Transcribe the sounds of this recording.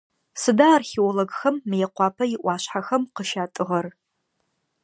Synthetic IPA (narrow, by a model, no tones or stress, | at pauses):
sɨdaːrxiwɔlɐɡxɐmːɨjɛqʷɑːpʰɐjɪʔʷɑːɕħaxɐmqəʃaːtʼɨʁɐr